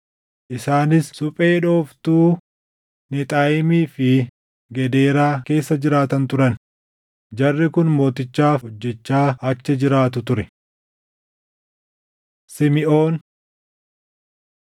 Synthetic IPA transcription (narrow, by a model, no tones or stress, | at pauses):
ʔɪsaːnɪsːʊpʼe̞ːᶑo̞ːft̪uː | nɪt̪ʼaːjɪmiːfɪ | ɡɛd̪e̞ːɾaːke̞ːsːɐd͡ʒɪɾaːt̪ɐnt̪ʊɾɐn | d͡ʒɐrːɪkʊnmo̞ːt̪ɪt͡ʃːaːɔd͡ʒːɛt͡ʃːaːɐt͡ʃːɛd͡ʒɪɾaːt̪ʊt̪ʊɾɛ | sɪmɪʔo̞ːn